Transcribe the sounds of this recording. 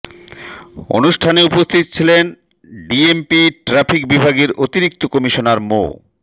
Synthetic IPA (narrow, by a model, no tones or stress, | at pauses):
o̰nuʃʈʰaneupost̪ʰit̪o̥t͡ɕʰilen | ɖiempiʈɾafʰik̚bibʱaɡeɾʔot̪iɾik̚t̪okɔmiʃonaɾmo̰